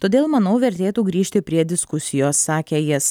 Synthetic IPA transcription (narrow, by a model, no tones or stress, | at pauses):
t̪oːd̪eːlˠmɐnɐʊʋʲɛɾʲt̪ʲeːt̪uːɡɾʲiːʃʲt̪ʲɪpʲɾʲiɛd̪ʲɪskʊsʲɪjoːsːɑːkʲeːjɪs